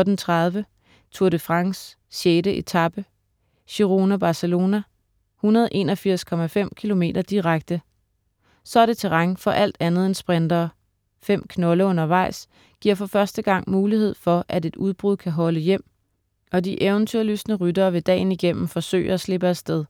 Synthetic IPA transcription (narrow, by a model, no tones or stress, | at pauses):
d̥nt͡sʰʁɑðˠʋə | t͡sʰuɐɾəfʁɑ̈ŋs | ɕeːd̥əʔe̝t͡sʰɑb̥ə | ɕiʁo̝ːnæb̥ɑ̈səlo̝ːnæ | hunɐð̞ˠʔe̝̰ːnɒ̽fiɐ̰skʰɒ̽mæfem̰kʰilo̝me̝̰ːdɐd̥iʁaɡ̥̚d̥ə | sɒ̽ɐɾ̥e̝t͡sʰeʁɑ̈ŋfɒ̽ʔæl̰d̥ænð̩ˠensb̥ʁend̥ɐː | fem̰kʰnɔ̽ləɔ̽n̰ɐʋɑ̈ɪ̰s | ɡ̥iɐ̰fɒ̽fɶɐsd̥əɡ̥ɑ̈ŋ̰muːlihe̝ð̰ˠfɒ̽ʔæde̝d̥uð̞ˠb̥ʁuð̰ˠkʰæɦɒ̽ləjem̰ | ɒ̽diʔeʊnt͡sʰyɐ̰ly̰snəʁydɐːʋe̝d̥ɛ̰ːɪniɡ̥em̰m̩fɒ̽sø̰ːɪɐæsle̝b̥əæd̥sd̥eðˠ